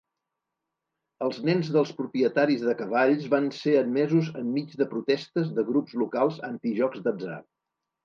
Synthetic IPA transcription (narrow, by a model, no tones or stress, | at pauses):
əlˠznɛnzðəlˠspɾupɾiət̪aɾizðəkəβaʎzβanseəd̪mɛzuzəmːid͡ʒdəpɾut̪ɛst̪əzðəɣɾupzlukalˠzənt̪iʒɔɡzðəza̰